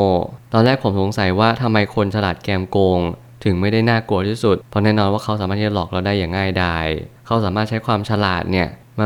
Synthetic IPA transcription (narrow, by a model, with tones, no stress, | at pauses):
t̪ɔː˧nlɛː˥˩k̚pʰo˩˦mso˩˦ŋsa˨˩˦jwaː˥˩t̪ʰa˧mːa˧jkʰo˧nt͡ɕʰa˧laː˨˩t̪̚kɛː˧mkoː˧ŋ | t̪ʰɯ˨˩˦ŋma˥˩jda˥˩jnaː˥˩ku˧t̪ʰiː˥˩su˨˩t̪̚pʰɔ˧˥nɛː˥˩˨nɔː˧nwaː˥˩a˦˥wsaː˨˦aː˥˩iː˥˩t͡ɕa˩lɔː˨˩k̚la˧˩wdaː˥˩jːaː˨˩ŋːaː˥˩jdaː˥˩jkʰa˦˥wsaː˩˦maː˥˩t̪̚t͡ɕʰjkʰwaː˧mt͡ɕʰa˧la̰ː˨˩t̪̚ni˥˩ɐ | m˧